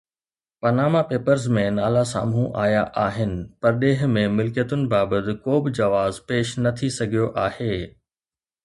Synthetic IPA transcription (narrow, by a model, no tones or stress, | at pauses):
pɐnaːmapeːpəɾzmẽnaːlasa̰ːmũʔaːjaʔaːɦɪnɪ̆pɐɾɗeːɦmẽmɪlkjət̪ʊnɪ̆baːbət̪ɪ̆koːbɪd͡ʑɐʋaːzpeːʃnɐt̪ʰisɐɡʱijoʔaːheː